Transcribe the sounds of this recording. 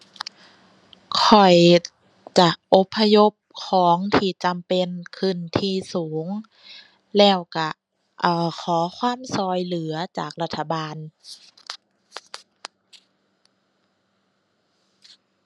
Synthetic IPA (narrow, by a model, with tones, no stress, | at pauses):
kʰɔ˨˩j | t͡ɕa˧˩ʔo˧˦pʰːa˧jo˧˥p̚kʰɔː˨˩˦ŋt̪ʰiː˧˩t͡ɕa˧˨mpe˧˨nkʰɯ˧˩nt̪ʰiː˧˩suː˩˦ŋ | lɛː˧˩wka˧˩ | ʔɤː˧˩kʰɔː˩˦kʰwaː˧˥˨msɔː˧˩jlɯ˨˩˦ɐt͡ɕa̰ː˨˩k̚la˧t̪ʰːa˧baː˧n